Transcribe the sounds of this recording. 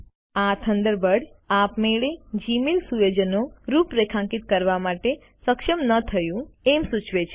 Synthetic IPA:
at̪ʰənd̪əɾbəɽapmeɭed͡ʒimilsujod͡ʒənoɾupɾekʰãŋkit̪̚kəɾʋamaʈe | səkʃəmnət̪ʰəjũemsut͡ʃʋet͡ʃʰe

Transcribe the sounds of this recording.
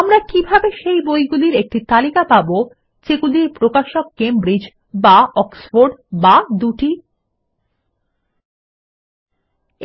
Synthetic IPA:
amɾakibʱabeʃejbojɡuliɾek̚ʈit̪alikapabo | t͡ɕekuliɾpɾokaʃokːembɾid͡ʑ | baɔksfoɾɖbad̪uʈi

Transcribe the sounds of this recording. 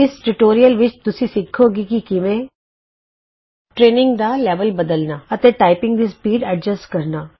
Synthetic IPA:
ɪsʈʊʈoːɾijəlʋɪt͡ʃt̪ʊsĩːsɪkʰːoːɡiːkikɪʋẽː | ʈɾeːnɪ̃ŋɡd̪aːlɛːʋəlbəd̪əlnaːət̪eːʈaːɪpɪ̃ŋɡd̪iːspiːɖəɖd͡ʒəsʈkəɾnaː

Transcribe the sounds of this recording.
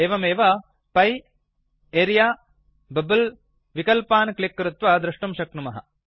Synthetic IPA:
eːʋɐmeːʋɐ | pɐj | eːɾjaː | bɐbɐl | ʋikɐlpaːnklikːɾut̪ʋɐd̪ɾɐʂʈɐmʃɐkɳumɐɦɐ̰

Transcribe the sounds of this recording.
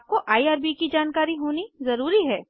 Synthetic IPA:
p̚koʔaːiaːɾbikid͡ʒaːnkaːɾiɦoːnizɐɾuːɾiɦɛː

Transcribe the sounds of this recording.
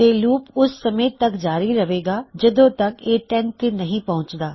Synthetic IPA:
eːluːpʊsːɐmeːt̪ɐkd͡ʒaːɾiɾɐʋeːɡaːd͡ʒɐd̪õt̪ɐkeːʈɛ̃nt̪enɐɦĩːpɐɦʊ̃t͡ʃd̪aː

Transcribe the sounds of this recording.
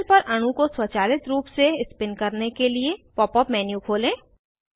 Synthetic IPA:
lpɐɾʔɐɽ̃ũkoswɐt͡ʃaːlɪt̪ɾuːpseɪspɪnkɐɾnekeliepɔːpɔːpmɛːnjukʰoːlẽː

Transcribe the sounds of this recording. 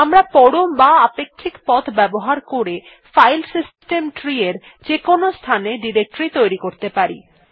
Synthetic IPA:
amɾapɔɽombaapekʰːikpɔt̪ʰbɛboɦaɾkoɾe | fajlsisʈemʈɾieɾ | d͡ʑekonost̪ʰaneɖiɾek̚ʈɾit̪ojɾikoɾt̪epaɾḭ

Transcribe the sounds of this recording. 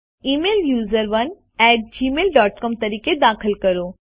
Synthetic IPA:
iːmeːljuːzəɾʋɐn | ɛːʈ̚d͡ʒiːmeːlɖɔːʈkɔːmt̪ɐɾiːked̪aːkʰəlkəɾoː

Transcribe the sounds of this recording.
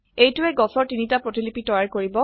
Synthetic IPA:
ejtʊɛɡɔsɔɹtinitapɹotilipitɔjaɹkoɹibɔ

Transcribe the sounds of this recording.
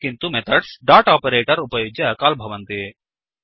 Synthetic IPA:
kɪnt̪umet̪ʰɐɖsɖaːʈaːpeɾeːʈəɾʊpɐjoːd͡ʒjɐkaːlbʱɐʋɐnt̪ee

